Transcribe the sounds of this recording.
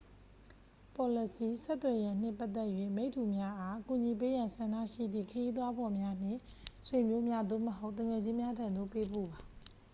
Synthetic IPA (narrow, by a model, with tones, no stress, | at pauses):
pɔ˨lə˨si˨sɛ˦t̪ːwɛ˨jã˨n̥ɪ̃˦˨pa˦t̪ːɛ˦ʔjwḛ˦˨me˦ɪʔtʰːu˨mja˦ʔa˦ku˨ɲi˨p̬e˦jã˨nsã˨na̰˦˨ʃḭ˦˨d̪ðḭ˦˨kʰə˨ji˦d̪wa˦bɔ˨mja˦n̥ɪ̰̃˦˨ | swe˨mjo˦mja˦d̪o̰˦˨məɦo˦ʊʔt̪ːə̃˨ŋɛ˨d͡ʑɪ̃˦mja˦tʰã˨nd̪o̰˦˨pe˦bo̰˦˨ba˨